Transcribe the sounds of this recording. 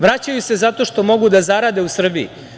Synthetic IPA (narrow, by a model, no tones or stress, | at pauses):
ʋɾat͡ɕajuse̞zat̪o̞ʃt̪o̞mo̞ɡud̪azaɾaːd̪e̞usr̩biḭ